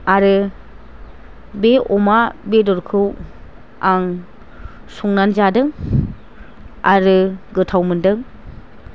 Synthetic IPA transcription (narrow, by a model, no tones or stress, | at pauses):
aɾɯ | beɔmabedɔɾkʰɯw | aŋ | suŋnanzadɯŋ | aɾɯɡɯtʰawmɯndɯŋ